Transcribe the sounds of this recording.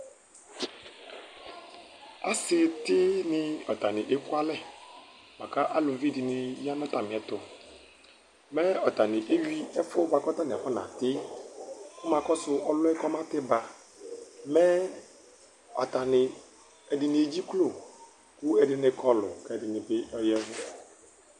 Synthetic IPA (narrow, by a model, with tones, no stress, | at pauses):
a̰˦sɪ˨tɪ˦nɪ˦ɔ˨ta˨nɪ˨ʔe˦ku˦a˦lɛ˦ | mã˨ka˦ʔa˦lʊ˨˦vi˦˨dɪ˨nɪ˨ja˦nɔ˦ta˨mɪ˨ɛ˨˦tʊ˨ | mɛ˦ɔ˨ta˨nɪ˨ʔe˦wɥi˦ɛ˦fʊ˦ba˨kɔ˦ta˦nɪ˨fɔ˦na̰˨tɪ˦ | kʊ˦mã˨kɔ˦sʊ˦ʔɔ˦lʊ˦ɛ˦kɔ˦mã˦tɪ˦ba˨ | mɛ˦ | ɔ̰˨ta˨nɪ˨ | ɛ˨dɪ˨nɪ˨e˨d͡ʑi˦klo˨ | kʊ˦ɛ˨dɪ˦nɪ˦kʰɔ˦lʊ̰˨kɛ˨dɪ˨nɪ˨bɪ˦ɔ˦jɛ˦vʊ˦